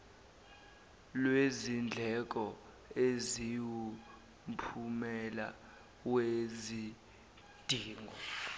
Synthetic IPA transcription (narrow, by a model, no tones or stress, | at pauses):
lwezind͡ɮʱɛk̬ʼɔ | eziwu | mpʰumɛla̰ | wezi | d̥ʱiːŋɡʱɔ